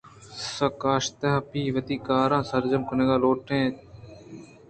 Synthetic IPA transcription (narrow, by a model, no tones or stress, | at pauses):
sɐkaːʃt̪ɐɦpiːʋɐt̪iːkaːɾãːsɐɾd͡ʒəmkʊneːɡaːloːʈʰẽː